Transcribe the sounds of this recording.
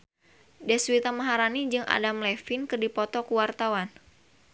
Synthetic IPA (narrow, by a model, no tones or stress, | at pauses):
dɛswit̪amaɦaɾanid͡ʒɨŋʔa̰damlɛfinkɨrdipɔt̪ɔkuwart̪awan